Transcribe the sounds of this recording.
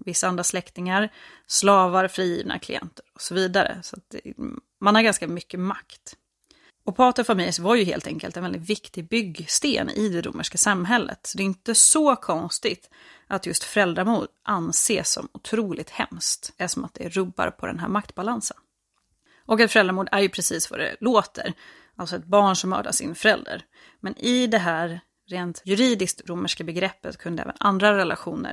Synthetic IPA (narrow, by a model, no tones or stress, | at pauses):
vɪsːaand̪ɾaslɛkt̪ɪŋaɾ | slɑːvaɾfɾiːjḭːvna̰kʰlɪ̰ɛ̰nt̪əɾɔsɔviːd̪aɾə̰sɔat̪̚d̪ɛ̰ | manhaɾɡanskamʏkːəmakt̪ | ɔpʰɑːt̪əfamɪlsvaɾjɵɦḛːlt̪ʰɛŋkəlt̪ɛnvɛld̪ɪt̪vɪkt̪ɪɡbʏɡst̪ḛːnɪ̰d̪ɛd̪ʊ̰mːʔəʂkasamɦɛlːə̰t̪sɔd̪ɛɪnt̪əsɔkʰɔnst̪ɪɡt̪ʔat̪jɵst̪fœɾɛld̪ɾamuːd̪ʔanseːsːɔ̰mʊt̪ʰɾuːlɪt̪hɛmst̪æʂɔmat̪̚d̪ɛɾɵbːa̰ɾpʰɔd̪ɛ̰nɦæ̰ːɾmak̚t̪balansən | ʔɔkɛt̪fœɾɛld̪ɾmuːɖ̪æɾjɵpʰɾɛsiːsva̰d̪ɛ̰loːt̪ʰə̰ɾ | ʔalsɔɛt̪̚bɑːɳʂɔmːœ̰ːɖa̰sɪ̰nfœɾɛld̪ə̰ɾ | mɛnɪd̪ɛɦæːɾː | eːnt̪jɵɾiːd̪ɪskt̪ɾʊmːəʂkabɛɡɾɛpːət̪kʰɵnd̪əɛ̰ːvə̰nʔa̰nd̪ɾaɾɛlʔaɧuːnə̰